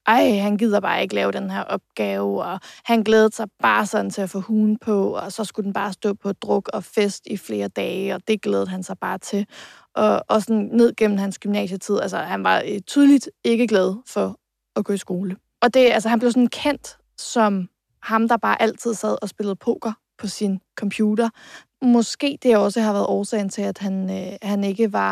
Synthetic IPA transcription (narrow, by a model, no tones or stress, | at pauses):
ʔɑ̈ɪhænɡ̥ið̞̰ˠɑb̥ɑ̈ːe̝ɡ̥əlɛːʊɾ̥enɦeɐʔɒ̽b̥̚ɡ̥ɛːʊɒ̽hænɡ̥leːð̩ˠsɑ̈ɪb̥ɑ̈ːsɒ̽d̥n̩t͡sʰe̝æfɔhuːn̩pʰɒ̽ɒsɒ̽sɡ̥ud̥n̩b̥ɑ̈ːsd̥ɔ̰ːpʰɒd̥ʁɔ̽ɡ̥ɒ̽fesd̥ifle̝ːɐd̥ɛːɒ̽d̥e̝ɡ̥leːð̩ˠɦænsɑ̈ɪb̥ɑ̈ːt͡sʰe̝ | ʔɒ̽ɒsɒnne̝ð̞̰ˠɡ̥en̰m̩hænsɡ̥ymnɛ̰ːɕət͡sʰið̞̰ˠælsəhænʋɑ̈t͡sʰyːð̞ˠlid̥e̝ɡ̥əɡ̥lɛð̞̩ˠfɒ̽ | ɒɡ̥ɔ̽ːisɡ̥o̝ːlə | ɒ̽d̥e̝ælsɐɦænb̥le̝ʊs̬nkʰen̰d̥ | sɒ̽m | hɑ̈md̥ɑ̈b̥ɑ̈ːʔæl̰t͡sʰið̞̰ˠsæð̞̰ˠɒ̽sb̥e̝lð̩ˠpʰo̰ːɡ̥ɐ | pʰɒ̽sinkʰɒ̽mpʰjuːd̥ɐ | mɒ̽sɡ̥e̝̰ːd̥e̝jɒ̽səɦɑ̈ʋæɐð̩ˠɒːsɛ̰ɪn̩t͡sʰe̝læd̥hænhæne̝ɡ̥əʋɑ̈